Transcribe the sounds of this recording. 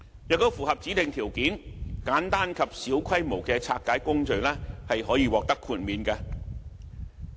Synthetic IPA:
jɐː˨k̚t̪o˥wfuː˨˩hɐ˨p̚t͡siː˨˥t̪ɪ˨ŋt̪ʰiː˨˩wkiː˨˥nkaː˨˥nt̪aː˥nkʰɐ˨p̚siː˨˥wkʰɐ˥jmo˨˩wkɛː˧t͡sʰaː˧t̚kːaː˨˥jkʊ˥ŋt͡ʃɵ˨ɥlɛː˥hɐ˨jɦɔː˨˥jiː˧wɔː˨˩k̚t̪ɐ˥kʰuː˧t̚miː˨˧nkaː˧

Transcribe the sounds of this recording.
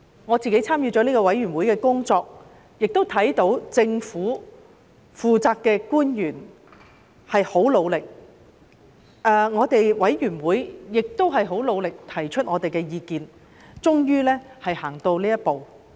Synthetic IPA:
ŋɔː˨˧t͡siː˨ke˨˥jt͡sʰaː˥mjyː˧t͡ʃɔː˨˥niː˥kɔː˧wɐ˨˥jɥyː˨˩nwuː˨˥jkɛː˧kʊ˥ŋt͡sɔː˧k̚ | jɪ˨k̚t̪o˥wt̪ʰɐ˨˥jt̪o˨˥wt͡sɪ˧ŋfuː˨˥ | fuː˨t͡saː˧kkːɛː˧kuː˥njyː˨˩n | hɐ˨jho˨˥wlo˨˧wlɪ˨k̚ | ʔɛː˨˧ŋɔː˨˧t̪e˨jwɐ˨˥jjyː˨˩nwuː˨˥jjɪ˨k̚t̪o˥wɦɐ˨jɦo˨˥wlo˨˧wlɪ˨k̚t̪ʰɐ˨˩jt͡ʃʰɵ˥t̚ŋɔː˨˧t̪e˨jkɛː˧jiː˨˧kiː˨˧n | t͡ʃʊ˥ŋjyː˥lɛː˥hɐ˨jhaː˨˩ŋt̪o˧wliː˥jɐ˥t̚po˨w

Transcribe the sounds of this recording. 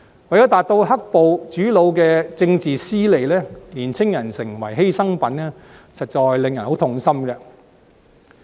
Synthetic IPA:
wɐ˨˩jɔː˨˥t̪aː˨t̚t̪o˧wɦɐ˥k̚po˨˧wt͡ʃyː˨˥lo˨˧wkɛː˧t͡sɪ˧ŋt͡siː˨siː˥le˨˩jlɛː˥liː˨˩nt͡sʰɪ˥ŋjɐ˨˩nsɪ˨˩ŋwɐ̰˨˩jɦe˥jsɐ˥ŋpɐ˨˥nɛː˥ | sɐ˨t̚t͡ʃɔː˨jlɪ˨ŋjɐ˨˩nho˨˥wt̪ʰʊ˨ŋsɐ˥mɡɛ˧

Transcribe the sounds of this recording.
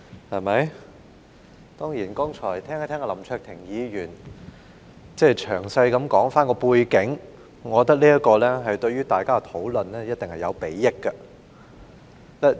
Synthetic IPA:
hɐ˨jmɐ˨˥j | t̪ɔː˥ŋjiː˨˩nkɔː˥ŋt͡ʃʰɔː˨˩jt̪ʰɛː˥ŋ˨˥t̪ʰɛː˥kːlɐ˨˩mt͡ʃʰœː˧k̚t̪ʰɪ˨˩ŋjiː˨˧ɥyː˨˩n | t͡sɛː˥˩t͡ʃʰœː˨˩ŋsɐ˧jkɐ˨˥mkɔː˨˥ŋfaː˥nkɔː˧puː˧jkɪ˨˥ŋ | ŋɔː˨˧ɔ˧t̪ɐ˥k̚liː˥ɐ˥kːɔː˧lɛː˥ɦɐ˨jt̪ɵ˧ɥyː˥t̪aː˨jkaː˥kɐ˧t̪ʰo˨˥wlɵ˨nlɛː˥jɐ˥t̚t̪ɪ˨ŋhɐ˨jɐ˨˧wpe˨˥jːɪ˥kːɐ˧ | lɛ˥˩

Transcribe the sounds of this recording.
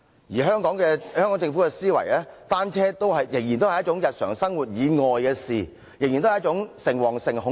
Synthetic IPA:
jiː˨˩ɦœː˥ŋkɔː˨˥ŋkɛː˧œː˥ŋkɔː˨˥ŋt͡sɪ˧ŋfu˨˥kɛ˧siː˥wɐ̰˨˩jlɛː˥t̪aː˥nt͡sʰɛː˥t̪o˥wɦɐ˨jjɪ˨˩ŋjiː˨˩nt̪o˥hɐ˨jɐ˥t̚t͡ʃʊ˨˥ŋjɐ˨t̚sœː˨˩ŋsɐ˥ŋwuː˨˩t̚jiː˨˧ŋɔː˨jkɛː˧siː˨˩ | jɪ˨ŋji˨nt̪o˥˨jɐ˥t͡sʊ˨˥ŋsɪ˨˩ŋwɔː˨˩ŋsɪ˨ŋɦʊ˨˧˥

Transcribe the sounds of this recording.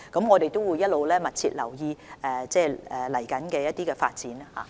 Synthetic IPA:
kɐ˨˥mŋɔː˨˧t̪e˨jt̪o˥wuː˨˧jːɐ˥t̚lo˨˧wlɛː˥mɐ˨t̚t͡sʰḭː˧t̚lɐ̰˨˩wjiː˧ɛː˨t͡sɛː˥˩ɛ˨lɐ˨˩jkɐ˨˥nkɛː˧jɐ˥t̚t̪iː˥kɛː˧fa̰ː˧t̚t͡siː˨˥n˥ha̰ː˨

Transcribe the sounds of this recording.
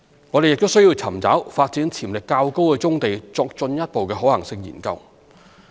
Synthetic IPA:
ŋɔː˨˧ɾe˨jɪ˨k̚t̪o˥wsɵ˥jiː˧wt͡sʰɐ˨˩mt͡sa̰ː˨˥wfaː˧t̚t͡siː˨˥nt͡sʰiː˨˩mlɪ˨kːaː˧wko˥wkɛː˧t͡sʊ˥ŋt̪e˨jt͡sɔː˧k̚t͡sɵ˧njɐ˥t̚po˨wkɛː˧ɦɔː˨˥hɐ˨˩ŋsɪ˧ŋjḭ˨˩nkɐ˧w

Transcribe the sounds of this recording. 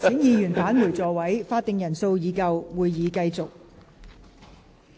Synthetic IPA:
ɪ˨˥ŋjiː˨˧jyː˨˩nfaː˨˥nmuː˨˩t͡sɔː˨wɐ˨˥jfaː˧t̚t̪ɪ˨˧ŋjɐ˨˩nso˧wjiː˨˧kɐ˧wwuː˨˧jːiː˨˧kɐ˧jt͡sʊ˨k̚

